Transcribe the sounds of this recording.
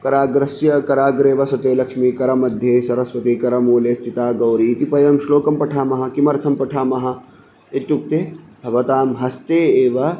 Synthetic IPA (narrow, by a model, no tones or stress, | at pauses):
kɐɾaːɡɾɐsjɐkɐɾaːɡɾeːʋɐsɐt̪eːlɐkʂmikɐɾɐmɐd̪ʱjeːsɐɾɐsʋɐt̪ikɐɾɐmuːleːst̪ʰit̪aːɡɐwɾit̪ipɐjɐmʃloːkɐmpɐʈʰaːmɐɦɐ̆kimɐɾt̪ʰɐmpɐʈʰaːmɐɦɐ̆ | et̪juk̚t̪eː | bʱɐʋɐt̪aːmɦɐst̪eːeːʋɐ